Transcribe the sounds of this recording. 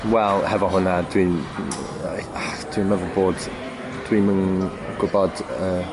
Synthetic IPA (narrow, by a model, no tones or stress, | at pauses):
wɛlˠhɛvɔɦʊnad̥wi | ad̥ʰwimɛvɔboːd̥ | d̥ʰwimən | ɡ̥ʊbɔd̥əː